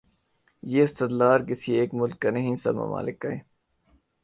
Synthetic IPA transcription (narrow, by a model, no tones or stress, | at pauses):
jeːɪst̪ɪd̪laːɾkɪsieːkmʊlkːɐnɐɦĩsɐ̰bmɐ̰ma̰ːlɪkːɐeː